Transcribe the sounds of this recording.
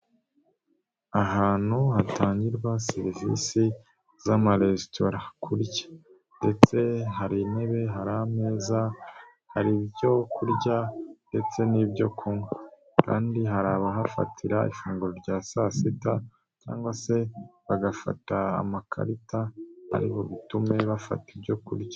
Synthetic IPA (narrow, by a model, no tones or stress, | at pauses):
aɦaːn̥huhatʰaːɲɟiɾɡwaseɾivḭsi | zamaɾe̞tʰo̞ɾakʰuɾɟḁ | nde̞t͡se̞ɦaɾine̞βe̞ɦaɾameːza | haɾibjo̞kʰuɾɟande̞t͡se̞nibɟo̞kʰumwe | ka̰ːndiɦaɾaβaɦafa̰tʰiɾaḭfuːŋɡuɾoɾɟaːsasita | ca̰ːŋɡwase̞βaɡafa̰ta̰ːmakʰa̰ɾitaa̰ɾiβo̞βitume̞βafa̰tibjo̞kṵɾɟa